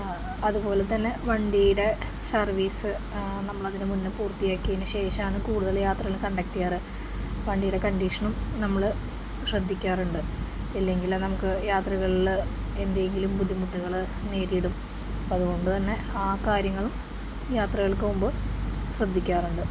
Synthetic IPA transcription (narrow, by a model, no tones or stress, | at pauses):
ɐðubo̞ːlet̪ːɐnːe̞ʋɐɳɖijuɽe̞ | sɐrʋiːsɨ | nɐmːɐɭɐðinɨmunːɨpuːrt̪ijaːkːijɐnɨɕe̞ːʂɐaːɳɨkuːɽuðɐljaːt̪rɐɣɐlukɐɳɖɐk̚ʈːijaːrɨ | ʋɐɳɖijɽe̞kɐɳɖiʂɐɳumnɐmːɐɭ | ɕrɐd̪ʱːikʲːaːruɳɖɨ | ilːe̞ŋɡilnɐmukːɨjaːt̪rɐɣɐɭil | e̞nd̪ɐjeŋɡilumpud̪ʱimuʈːuɣɐɭɨ | neːɾiɽum | ɐðuɣo̞ɳɖɨt̪ɐnːe̞ | aːkaːɾjɐŋːɐɭum | jaːt̪rɐɣɐɭkɨumbɨsrɐd̪ʱːikʲːaːruɳɖɨ